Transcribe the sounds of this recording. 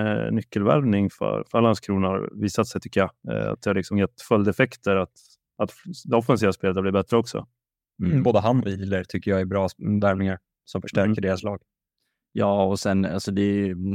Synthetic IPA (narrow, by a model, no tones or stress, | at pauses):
nʏkːəlvæ̰ɾvnɪŋfœ̰ɾfœalːanskʰɾuːnaviːsat̪sɛjt̪ʰʏkːəja̰a̰t̪̚d̪ɛhaɾlɪksɔmjɛt̪ːfœld̪ɛfɛkt̪əɾat̪ | at̪d̪ɛɔfːɛns̬iːvaspeːlət̪̚bliːbɛt̪ɾəɔksɔ̰ | boːd̪əɦanːɔiləɾt̪ʰʏkːəjaɛɾbɾɑːvæɾvnɪŋaɾ | sɔmfœʂʈæɾkəɖeːɾaslɑːɡ̥ | jɑːɔsɛna̰lsɔd̪ɛj